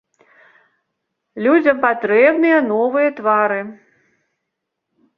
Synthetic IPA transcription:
lʲud͡zʲɐmpat̪ɾɛbnɨjɐnɔvɨjɐt̪vaɾɨ

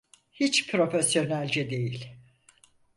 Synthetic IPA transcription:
hit͡ʃpʰɾo̞fesjo̞nælʲd͡ʒɛd̪e̞jilʲ

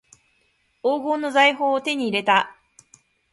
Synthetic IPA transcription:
oːɡo̞ːno̞zaiɦo̞ːt̪e̞ɲ̟iːɾe̞t̪a

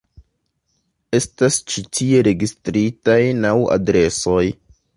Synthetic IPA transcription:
e̞stast͡ʃitʰie̞ɾe̞ɡistɾitajnawa̰dɾe̞so̞j

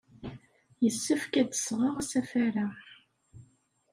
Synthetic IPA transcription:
jəsːəfkæd̪ə̥sʁəʁasæfæɾa

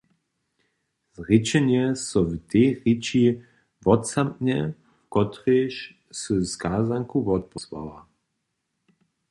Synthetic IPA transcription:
zʁit͡ʃɛnɛsɔvteːʁit͡ʃi | vɔtsamɲɛ | kɔt̪ʁeʃ | sɨskaːzaŋkuvɔt̪̚pɔswa̰wa

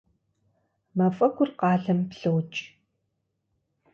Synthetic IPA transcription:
mɐfʼɐɡʷʊrqɑːɮɐmpɬɨwt͡ʃʼ

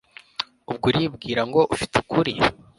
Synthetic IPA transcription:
ubɡuɾiːbɡiːɾaŋɡo̞ʔufi̥tʰekʰuɾi

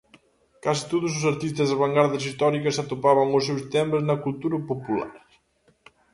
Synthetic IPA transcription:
kasi̥t̪ot̪us̬usɐɾt̪ist̪əzðəβaŋɡaɾðəsist̪ɔɾikəsat̪upaβəŋusːɛwst̪ɛməznəkulˠt̪uɾəpupula̰ɾ

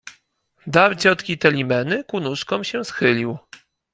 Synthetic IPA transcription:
d̪aɾt͡ɕɔt̪kʲit̪ɛlʲimɛnɘkunuʂkɔmɕɛsxɘlʲiw

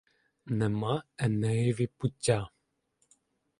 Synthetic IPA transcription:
nɛmaɛnɛiviputʲːa

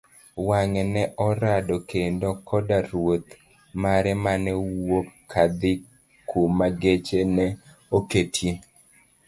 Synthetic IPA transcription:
waŋɛnɛʔɔɾadɔkendokʰɔdaɾwot̪ | maɾɛmanɛwwokʰːad̪ɪ | kʰumaɡet͡ʃenɛ | oketʰji

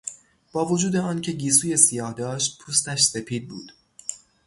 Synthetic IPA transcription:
b̥ɒːvod͡ʒuːd̪eɒːncʰe̞ɟiːsuːje̞sijɒːhd̪ɒːʃt̪̚pʰuːst̪æʃse̞pʰiːd̪̚bṵːd̪̥

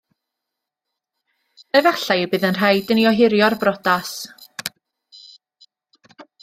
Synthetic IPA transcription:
əvaɬajbɨːðənr̥ajdəniɔɦɪɾjɔrbrɔdas

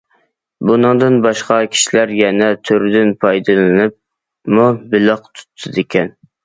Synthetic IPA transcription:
bunɨŋd̪ɨnbɑʃqɑkʲʰi̥ʃilæɾjɛnɛt̪ʰøɾd̪ɪnpʰɑjd̪ɨlˠɨnɨp̚ | mubɪləqt̪ʰu̥t̪ʰːɨd̪ɪkʲʰɛn

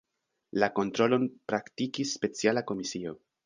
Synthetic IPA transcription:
lako̞ntɾo̞lo̞npɾaktikisːpe̞t͡sialako̞misio̞

